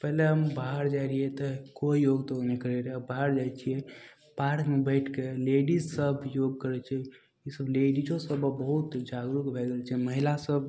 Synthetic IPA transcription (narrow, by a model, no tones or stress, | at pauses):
pɛɦleɦəmbaɦəɾd͡ʒajɾiet̪ɔkoijoɡt̪onekəɾeɾebaɦəɾd͡ʒajt͡ʃʰije | paɾkmebɛɪʈʰkeleɖizsəbʱjoɡ̚kəɾɛt͡ʃʰɛ | isəbleɖid͡ʒõsəbbəɦut̪d͡ʒaɡɾukbʱɛɡəlt͡ʃʰɛməɦilasəb̚ʱ